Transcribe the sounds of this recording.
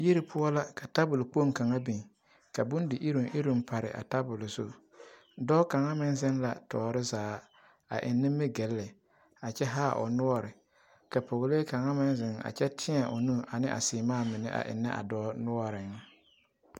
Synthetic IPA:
ji˦ɾɪ˨pʰʊ˦ɔ˦la˦ka˨ta˦bʊ˨lk͡po˦˨ŋka˨ŋa˦bi˨ŋ | ka˨bʊ˦ndɪ˨ʔɪ˦ɾʊ˨ʔɪ˦ɾʊ˨m˦pʰa˨ɾɪ̰˨ʔa̰˨ta˦bʊ˨lʊ˨zʊ˦ | dɔː˦ka˨ŋa˦mɪ˦nzɪ˦nla̰˨tɔː˨ɾɪ˦zaː˨˦ | a̰˨ʔɪ˨nːɪ˦mːɪ˦ɡɛ˨˦lːɪ˨ | a˨t͡ʃɛ˦ɦaː˦˨ʔʊ̰˨nʊ˦ɔ˦ɾɪ˨ | ka˨po˨ɣleː˦ka˨ŋa˦mɪ˦nzɪ˨ŋa̰˨t͡ʃɛ˦tʰɪ˦a˨ʔʊ˨nũ˦ʔa˨nɪ˦ʔa̰˨sɪ˨maː˦˨mɪ˨nɪ̰˦ʔa̰˨ʔɪ̰˨nːɪ˦ʔa̰˨dɔː˦nʊ˦ɔ˦ɾɪ˨ŋ˦

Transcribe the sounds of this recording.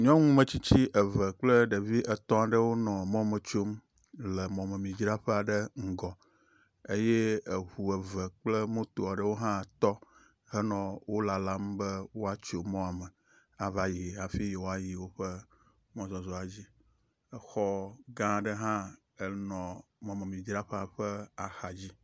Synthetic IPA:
ɲɔ̃˦ŋũ˦mə̃˦t͡ɕi˦t͡ɕi˦ʔə˨və˨k͡plə˦ɖe˨vi˦ʔə˨t̪ɔ̃˦a˨ɖə˦wo˦nɔ̃˨mɔ̃˦mə˨t͡ʃo˦m | lə˨mɔ̃˨mə˨mĩ˨d͡ʒɾa˦ɸə˦a˨ɖə˦ŋ̩˨ɡɔ˨ | e˦je˦e˨ɦu˨ə˨və˨k͡plə˦mõ˦t̪o˨a˨ɖə˦wo˦ɦã˦˨t̪ɔ˦ | ɦə˦nɔ̃˨wo˦la˨la˦mbə˦wo˦a˦t͡ʃo˨mɔ̃˦a˨mə˨ | a˨va˨ji˨a˨fi˦ji˨wo˦a˦ji˨wo˦ɸə˦ | mɔ̃˦zɔ˨zɔ˨a˨d͡ʑi˦ | ə˦xɔ˦ɡã˦˨ɖə˦ɦã˦ | ə˨nɔ̃˨mɔ̃˨me˨mĩ˨d͡ʒɾa˦ɸɛ˦a˨ɸə˦a˨xa˨d͡ʑi˦

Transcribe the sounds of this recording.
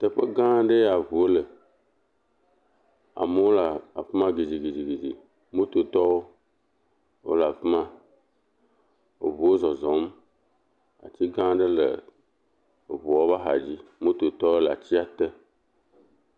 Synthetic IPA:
t̪ə˨ɸe˦ɡã˦ɖe˦ja˨βu˨o˦lə˨ | a̰˨me˦o˦la˨a˨ɸe˦mã˦ɡe˨d͡ʑi˨ɡe˨d͡ʑi˨ɡe˨d͡ʑḭ˨ | mũ˦t̪o˨t̪ɔ˦wo˦ | wo̰˦la˨fe˦mã˦ | wo̰˨βu˨wo˦zɔ˨zɔ̃˨˦m˦ | a̰˨t͡ɕi˦ɡã˦ɖə˦lə̰˨ | o˨βu˨wɔ˦ba˦ɦa̰˨d͡ʑi˦mũ˦t̪o˨t̪ɔ˦wo˦lə˨a˨t͡ɕi˦a˨t̪e˦

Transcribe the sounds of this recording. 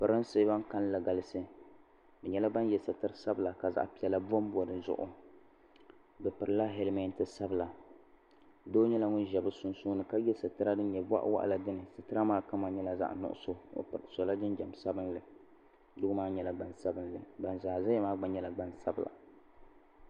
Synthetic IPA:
pɨ˨ɾɨ˦nse˦ba˦ŋka˦n˦la˨ɡa˨lɨ˦sɨ˦ | bɛ˨ɲɛ˦la˦ba˦njɛ˨sɨ˨tɨ˦ɾsa˦bɨ˨la˨ka˨za̰˨ʔpi˨ɛ˨la˦bo˦mbo˨dɨ˦zʊ̰˦ʔʊ̰˦ | bɨ˨pɨ˨ɾɨ˦la˦ɦɛ˦lmɛ˦ntɨ˦sa˦bɨ˨la˨ | doː˦ɲɛ˦la˦ŋʊ˦nʒɛ˨bɨ˦sʊ˦nsuː˦nɨ˨ka˦jɛ˦sɨ˨tɨ˦ɾa˦dɨ˦ɲɛ˨ba̰˦ʔwa̰˦ʔla˨dɨ˦nɨ˨sɨ˨tɨ˦ɾa˦maː˦ka˦ma˨ɲɛ˦la˨za̰˦ʔnʊ̰˦ʔʊ̰˦so˦o̰˨pɨ˨ɨ˨so˨la˦dɨ˦nd͡ʒɛ˨m˨sa˦bɨ˦nlɨ˨ | dʊ˦ɡʊ˦maː˦ɲɛ˨la˨ɡ͡ba˨nsa˦bɨ˦nlɨ˨ɡ͡ba˨nzaː˨za˦ɛ˦maː˦ɡ͡ba˨ɲɛ˦la˨ɡ͡ba˦nsa˦bɨ˨la̰˨

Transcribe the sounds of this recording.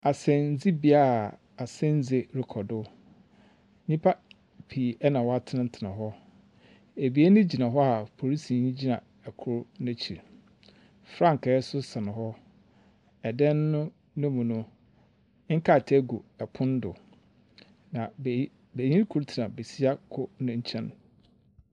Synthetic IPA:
a˨sɛ̃˨n˨˦d͡zi˦bi˨a˦˨ | a˨sɛ̃˦n˦d͡ze˨ɾɪ˨kʰɔ˨dʊ˦ | ɲĩ˦pʰa˦ | pʰi˨ɛ˦nã˨wɔ˦a˦tʰɪ˦nã˦n̩˦tʰɪ˨nã̰˨ɦɔ˦ | e˨bi˨e˦nʊ̃˦d͡ʑi˨nã˨ɦɔ˦a˨pʰo˨ɾi˦si˨nĩ˦d͡ʑi˦nã̰˨ | ɛ˨kʰʊ˦ɾnʊ̃˦t͡ɕʰi˨ɾ | fɾã˦ŋ˨kɛː˨˦sʊ˦sã˨nʊ̃˨ɦɔ˦ | ɛ˨dɛ̃˦nːʊ̃˦ | nʊ̃˦mũ˨nʊ̃˦ | ŋ̩˦kʰa˦˨tʰæ˦ɡu˨ɛ˨pʰʊ̃˦n˦dʊ˨ | nã˨ | be˨ɲĩ˦ɾkʰu˦ɾtʰi˨nã˨be˨si˦a˦kʰʊ˦nʊ̃˦ɲ̩˦t͡ɕʰɛ̃˦n

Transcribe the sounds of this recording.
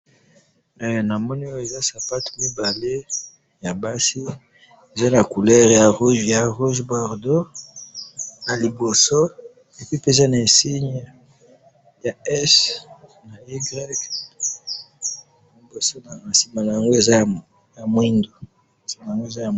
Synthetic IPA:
ɛ˨na˨mɔ˦ni˦o˦e˨za˦sa˨pa˦to̥˨mi˦ba˨le˦ | ja˨ba˦si˦ | e˨za˦na˨ku˨lɛ˦ʁja˨ʁu˦ʒja˨ʁu˦ʒbɔ˨ʁdo˦ | na˨li˨bo˨so˦ | e˨pi˦pe˦e˨za˦na˨e˨si˦ɲ | ja˨ɛ˦s | na˨i˦ɡʁɛ˦k | li˨bo˨so˦na˨si˨ma˨na˨ja˨ŋɡo˦e˨za˦˨ | ja˨mwi˦ndo˨ | si˨ma˨ja˨ŋɡo˦e˨za˦ja˨

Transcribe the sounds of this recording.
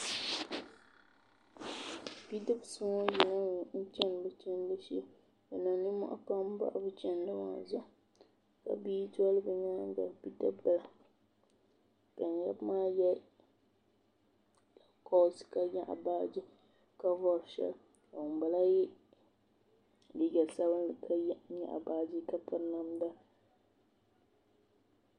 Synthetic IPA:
pi˦dɨ˦bsɨ˦ŋɔ˦ji˨na˦u˨n̩˦t͡ʃɛ˦n˨bɨ˨t͡ʃɛ˦n˦dɨ˦ʃi˦ | a˨na˨nɨ˦mʊ̰˦ʔa̰˦pa˦m˦ba̰˦ʔbɨ˦t͡ʃɛ˦n˦dɨ˦ma̰˨zʊ˦ | ka̰˨biː˦tɔ˦lɨ˦bɨ˨ɲaː˦ŋ˦ɡa̰˨pi˦dɨ˦bbɨ˦la˨ | ka˨n˨ja˦bmaː˦jɛ˦ | a˨kɔ˦sɨ̥˨ka˦ɲa˦˨ʔa̰˨baː˦d͡ʒi˦ | ka˦vɔ˦ɾʃɛ̰˦l | ka˨wʊ˨m˨ba˨la˦jɪ˦ | di˦ɡɛ˨sa˦bɨ˦ndɨ˨kʰa˦jɲa̰˨ʔa̰˨baː˦d͡ʒi˦ka˦pɨ˦ɾna˦mda˦˨

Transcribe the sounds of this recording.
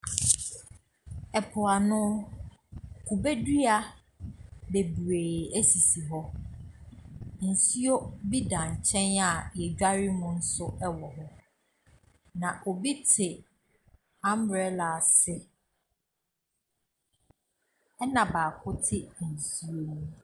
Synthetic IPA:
ɛ˨pʰʊ˨a˨nʊ̃˦ | kʰu˨be˦di˦a˨ | be˨bɾeː˨æ˦si˨si˨ɦɔ˦ | n̩˨si˦o˦bi˦dã˨ɲ˨t͡ɕʰɛ̃˦na˦˨jɛ˨d͡ʑᶣa˦ɾi˦mʊ̃˦n̩˦sʊ˦ɛ˦wɔ˨ɦɔ˦ | nã˨ʔo˨bi˦tʰɪ˨ | ã˦mbɛ˦la˨sɪ˦ | ɛ˦nã˨baː˨kʰʊ˦tʰɪ˦˨n̩˨si˨o˦ñũ˦

